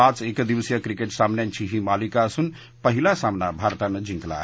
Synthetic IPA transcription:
ãt͡ʃekd̪iʋəsjəkɾikeʈsamnent͡ʃʰiɦĩmalikasun | pəɦilasamnabʱaɾt̪and͡ʒĩŋkla̰ɦ

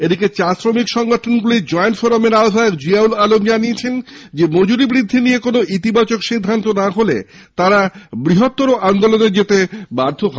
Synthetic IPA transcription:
ed̪iket͡ɕasɾomikʃɔŋɡoʈʰonɡulid͡ʑɔenfoɾomeɾaod̪ʱaekd͡ʑiaulalomd͡ʑaniet͡ɕʰend͡ʑemod͡ʑuɾibɾid̪ʱːinijekonoʔit̪ibat͡ɕokʃid̪ʱːant̪onaɦolḛ | t̪aɾabɾiɦot̪ːoɾoʔand̪oloneɾd͡ʑet̪ebaɾd̪ʱoɦɔ

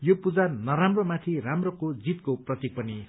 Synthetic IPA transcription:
jopud͡zanʌɾamromat̪ʰiramrʌkod͡zit̪koprʌt̪ik̚pʌni

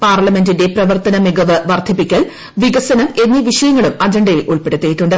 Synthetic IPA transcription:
paːrɭɐme̞ndinde̞prɐʋɐrt̪ɐnɐmiɡɐʋɨʋɐrd̪ʱɐpːikʲːɐɭ | ʋiɡɐsɐnɐme̞nːiʋiʂɐjɐŋːɐɭumɐd͡ʑɐɳɖɐjilʔuɭpe̞ɽut̪ːejiʈːuɳɖɨ

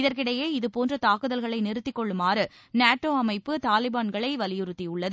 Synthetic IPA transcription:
ɪðɐɾkɪɽɐjeːɪðɯpoːndrɐt̪aːkɯðɐlɣɐɭɐɪnɪɾɯt̪ːɪkːɔɭːɯmaːrɯ | naːʈːoːɐmɐɪpːɯt̪aːlɪbaːnɡɐɭɐɪʋɐlɪjɯɾɯt̪ːijʊɭːɐðɯ

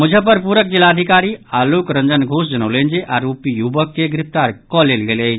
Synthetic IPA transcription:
məd͡ʒʱəpəɾpuːɾək̚d͡ʒilad̪ʱikaɾialukɾə̃nd͡ʒənɡʱos̬d͡ʒənolẽnd͡ʒeʔaːɾopijubəkːeɡɾɪpt̪aɾkɔlelɡele

